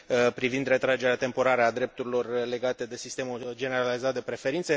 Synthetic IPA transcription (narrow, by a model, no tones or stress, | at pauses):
pɾivind̪re̞t̪ɾad͡ʒe̞ɾeat̪e̞mpo̞ɾaɾəad̪ɾe̞p̚t̪uɾilo̞rle̞ɡat̪e̞d̪e̞sist̪e̞mud͡ʒe̞ne̞ɾalizat̪̚d̪e̞pɾe̞fe̞ɾint̪se̞